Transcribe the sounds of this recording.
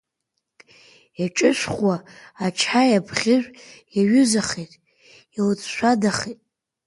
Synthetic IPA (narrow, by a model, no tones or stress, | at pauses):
jat͡ʃʼɨʃʷχwaːt͡ʃʰajabʰʁʲɪʒʷjaɥʏzaχejtʼ | ilt͡sʰʼʃʷadaχetʼ